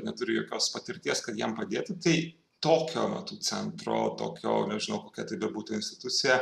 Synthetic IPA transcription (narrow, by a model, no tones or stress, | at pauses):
nʲɛt̪ʊɾʲɪjoːkʲoːspɐt̪ʲɪɾʲt̪ʲiɛskɐt̪jɛmpɐd̪ʲeːt̪ʲɪt̪ɐɪ | t̪oːkʲo̰ːmɐ̰t̪uːt͡ssʲɛ̰nt̪ɾo̰ːt̪o̰ːkʲo̰ːnʲɛʒʲɪnɐʊkoːkʲɛt̪ɐɪbʲɛbuːt̪ʊɪnsʲt̪ʲɪt̪ʊt̪sʲɪjɛ